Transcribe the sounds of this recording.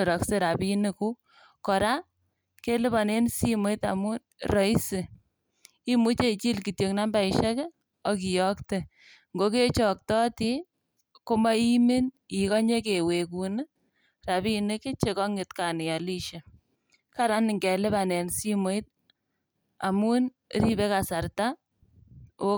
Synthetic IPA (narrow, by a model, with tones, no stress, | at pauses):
ɾɔ˨kse˦ɾa˨bi˦nɪ˦ku˦ | kɔ˨ɾa˦ | ke˦lɪ˦ba˨ne˦nsi˦mo˨˦i˦ta̰˨mu˦ | ɾɔ˨i˦sɪ˨ | i˦mu˦t͡ʃe˦t͡ʃi˦lki˨tjo˨kna˦nba˨i˨ʃɛ˦ke˦ | ɔ˦ki˨jɔ˦kte˦˨ | ŋɡo˦ke˦t͡ʃɔ˨k̚tɔ˦ti˦ | ko˦ma˦i˦me˦ni˨kɔ˦ɲe˦ke˨we˨ku˨n˦ | ra˨bi˦ne˦ke˦t͡ʃe˦kɔ˦ŋɪ˨tka˨nɪ˨ɔ˨li˦ʃe˨ | ka˦ɾa˦nɪ˨ŋɡe˨lɪ˦ba˨ne˨nsi˦mo˦i˦t̚ | a̰˨mu˦n | ɾi˦be˦ka˨sa˨rta˦ | o˦